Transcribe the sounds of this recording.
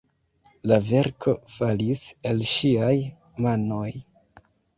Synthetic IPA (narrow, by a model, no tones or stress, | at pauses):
lave̞ɾkʰo̞falise̞lʃiaj | mano̞j